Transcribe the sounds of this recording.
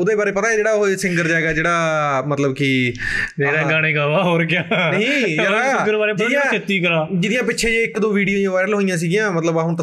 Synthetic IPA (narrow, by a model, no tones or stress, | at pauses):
ʊd̪eːbaːɾeːpət̪aːeːd͡ʒeːɽaːoɦosɪ̃ŋɡəɾd͡ʒaːɡaːd͡ʒeːɽaːmət̪ləbkɪd͡ʒeːɾaːɡaːɽ̃eːɡaːʋaːɦoːɾkɪjaːnɦĩːjaasɡəɾbaːɾeːpd͡ʒɪd̪ɪãːɪt̪ːiːkəɾãːd͡ʒɪd̪ɪjãːpɪːʃʰeːd͡ʒeːɪkd̪õːʋiːɽijoːjãːʋaːɪɾəlɦoːijãːs̬iːɡɪjãːmət̪ləbaːɦʊ̃nt̪ː